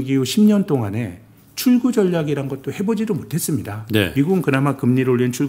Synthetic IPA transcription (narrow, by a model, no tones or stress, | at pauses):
ɡijuɕʰimɲʌnt͈oŋane̞ | t͡ɕʰuɭɡud͡ʑʌʎjaɡiɾanɡʌt̚t͈ohe̞bod͡ʑidomotʰe̞s͈ɯmɲidane̞̰miɡuɡɯnkɯnamakɯmɲiɾoʎːint͡ɕʰuɭ